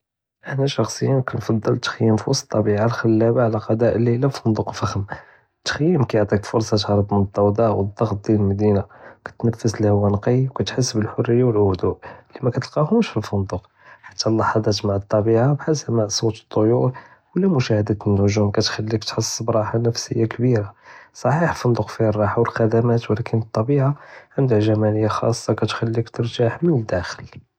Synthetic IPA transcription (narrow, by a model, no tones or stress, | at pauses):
ʔəħnæʃɑxsˤəjːənkɑnfɑd̪ˤːɑlt̪xəjːəmfiwɑsˤtt̪ˤːɑbiʕalxəlːæbaʕlæqɑd̪æʔlːilæfʊnd̪uqfəxəm | t̪xəjːəmkæjoʕt̪ˤikfʊɾsˤɑt̪ʕɾˤəbmt̪ˤːɑwd̪ˤɑʔwəd̪ˤːɑɣt̪̚d̪jiləlmæd̪inakæ̥t̪næfːəslihʊwːænqiwkæt̪ħəsːbəlħorːəjːawəlhʊd̪uʔlimækæt̪əlqɑhʊmʃfilfʊnd̪uq | ħḁt̪ːælːɑħɑd̪ˤɑt̪maʕət̪ˤːɑbiʕabħasəbmaʕsˤot̪ə̥t̪ˤːojuɾ | wəlːæmʊʃæhəd̪ænːʊʒumkæt̪xælːikt̪ħəsˤːbɾˤɑħanəfsə̰jːakbiɾasˤɑħiħəlfɑnd̪ˤuqfiərˤːɑħawəlxæd̪æmæt̪wlækʰənət̪ˤːɑbiʕaʕənd̪əhʒæmænəjːaxɑ̰sˤːɑkæt̪xælːikt̪əɾʒaħmənəd̪ːæxəl